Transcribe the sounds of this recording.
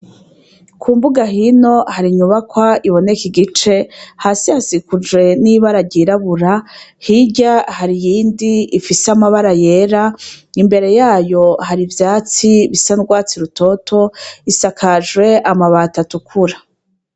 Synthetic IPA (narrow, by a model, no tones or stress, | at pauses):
kʰuːmbuɡaɦino̞haɾiɲuβakwaʔiβo̞ne̞kiɡit͡ʃe̞haːsihasikud͡ʒwe̞niβaɾaɟiɾaβuɾahiɟahaɾijiːndiifiseamaβaɾaje̞ɾaimbe̞ɾe̞jaːjo̞haɾivjaːt͡siβisanɡwaːt͡siɾuto̞tʰo̞isakʰaʒwe̞ʔamaβatatukʰuɾa